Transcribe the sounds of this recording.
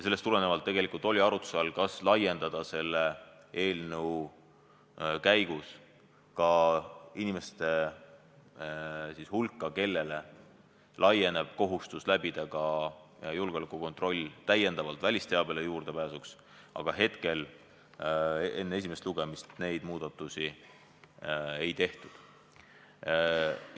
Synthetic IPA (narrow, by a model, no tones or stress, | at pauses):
jɑse̞lːest̪ule̞ne̞vɑlt̪ːe̞ɡ̥e̞likult̪ːˑolʲiɑɾut̪u̥sɑlkɑslɑjːe̞nd̪̥ɑd̪̥ɑse̞lːe | e̞ːlnəw | kæjɡ̥us | kɑinime̞st̪e̞ | sishulkːˑɑke̞lːe̞le̞ | lɑje̞ne̞b̥ko̞ɦust̪uslæbid̪̥ekɑ | julɡelekːˑuko̞nt̪ˑro̞lʲːt̪æje̞nd̪̥ɑvɑlt̪vælʲist̪e̞ɑb̥e̞lejuːɾd̪̥e̞pæːsuks | ʔɑ̰ɡ̥ɑɦe̞t̪ke̞l | e̞nːee̞s̬ʲime̞st̪luɡ̥e̞mist̪ne̞jd̪̥muːd̪̥ɑt̪ːˑusi | ejt̪e̞ht̪ud̪̥